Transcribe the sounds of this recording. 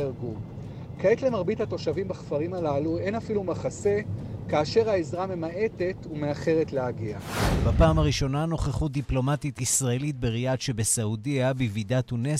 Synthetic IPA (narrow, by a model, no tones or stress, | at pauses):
eɡu | kaet̪le̞maʁbithat̪o̞ʃavimbaχfaʁimalaluenafilumaχase̞kaːʃe̞ʁhaezʁame̞mae̞te̞tume̞aχe̞ʁetleaɡiabapaːmaʁiʃo̞nano̞χeχut̚d̪iplo̞matitisʁaelit̚beʁiatʃe̞besaudiabividat̪une